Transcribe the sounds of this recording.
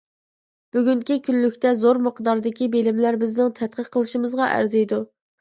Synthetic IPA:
b̥yɡʲyŋkʲikʲʰylːykʲt̪ɛzoɾməqd̪ɑɾd̪ɪkʲibelɪmlæɾbɪznɪŋt̪ʰɛt̪̚qʰəqqʰːəlˠɨʃimɨzʁɑʔæ̰ɾzɛjd̪u

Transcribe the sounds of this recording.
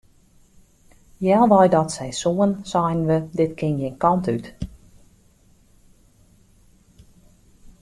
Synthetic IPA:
jɛlˠʋɔjdɔtsɛjsuənsɔjnʋədɪtkʰɪnjɪnkɔntyt

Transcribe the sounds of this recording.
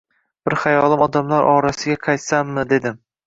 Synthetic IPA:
b̥ɪɾχajɒlˠɪmɒd̪amlaɾʔɒɾasɪɡʲaqʰɑjt̪samːɪd̪e̞d̪ɪm

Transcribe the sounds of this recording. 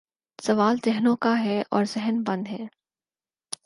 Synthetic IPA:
sɐʋaːlzɛɦnõkaɦɛʔɔːɾzɛɦənbɐ̃nd̪ɦɛː

